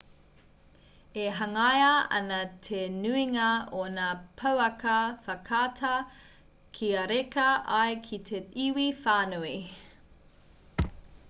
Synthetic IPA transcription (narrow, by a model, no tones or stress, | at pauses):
eɦɐŋɐjɐɐ̰nɐt̪ʰenʉiŋɐonaːpʰɐwɐkɐfɐkʰaːtʰɐ | kʰiɐɾekɐʔɐjkʰit̪ʰeiwifaːnui